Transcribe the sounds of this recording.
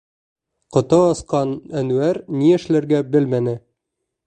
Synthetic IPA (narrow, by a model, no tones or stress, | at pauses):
qŏt̪ɤɑsqɑnænuæɾniɘ̆ʃlæɾɡæbɘlmænɘ